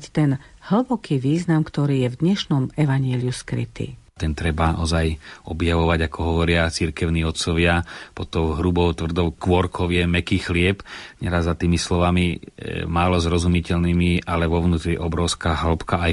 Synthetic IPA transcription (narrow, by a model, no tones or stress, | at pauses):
ct̪ɛn | hl̩bɔkiːʋiːznamkt̪ɔɾiːjɛvd̪ɲɛʃnɔmɛʋaɲɪɛliuskɾḭt̪ḭː | t̪ɛnt̪ɾɛbaʔɔzajɔbjaʋɔʋaɟakɔɦɔʋɔɾɪat͡siɾkɛʊniːɔt̪t͡sɔʋɪapɔt̪ɔʊɦɾubɔʊt̪ʋr̩d̪ɔʊkʋɔɾkʰɔʋɪɛmɛkixlɪɛpɲɛɾazːat̪iːmislɔʋamimaːlɔzɾɔzumicɛʎnimialɛʋɔʋnuːt̪ɾiʔɔbɾɔʊskaɦl̩pkaaj